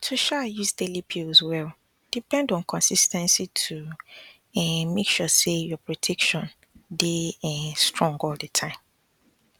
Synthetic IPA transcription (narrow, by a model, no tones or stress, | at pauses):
tʰuʃajuzdelipʰiozwɛl | d̥ipɛ̃ndɔ̃nkʰɔ̃nsistɛ̃nsitʰu | ɛ̃mekʃusejɔpɹɔtʰɛkʃɔ̃n | deɛ̃stɹɔ̃ŋɡɔldətʰãɪ̃m